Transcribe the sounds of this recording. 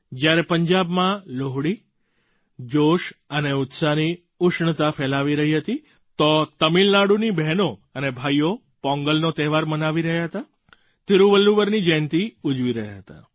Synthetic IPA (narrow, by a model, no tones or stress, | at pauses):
d͡ʒjaɾepəɲd͡ʒabmãloɦɽi | d͡ʒoʃəneʊt̪sani | ʊʃɳət̪afɛlaʋiɾəɦiɦət̪i | t̪ot̪əmilnaɽunibɛɦnoənebʱaijo | pɔ̃ŋɡəlnot̪ɛɦʋaɾmənaʋiɾəɦjaɦət̪a | t̪eɾuʋəlːubəɾnid͡ʒənt̪iud͡ʒʋiɾəɦja̰ɦət̪a̰